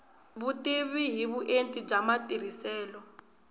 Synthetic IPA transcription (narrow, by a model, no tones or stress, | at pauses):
βutiβiɦiβuʔentʼid͡ʒamatʼiɾ̤isɛːlɔ